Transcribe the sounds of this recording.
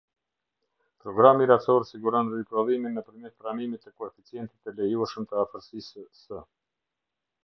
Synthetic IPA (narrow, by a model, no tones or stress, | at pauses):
pɾɔɡɾamiɾat͡sɔɾsiɡuɾɔnɾipɾɔðiminːəpəɾmɛt̪pɾamimit̪ːəkɔɛfit͡sijɛnt̪it̪əlɛjuɛʃəmt̪əafəɾsissə